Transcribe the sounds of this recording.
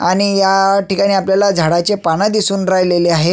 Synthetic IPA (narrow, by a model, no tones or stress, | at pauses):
aɽ̃ijaʈikaɽ̃iːapljalad͡zʱaɽat͡ɕepaɽ̃ad̪isuːnɾajleleaɦe